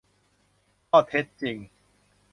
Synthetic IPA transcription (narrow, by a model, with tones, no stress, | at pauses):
kɔː˥˩t̪ʰe˦˥t̪̚t͡ɕi˧˩ŋ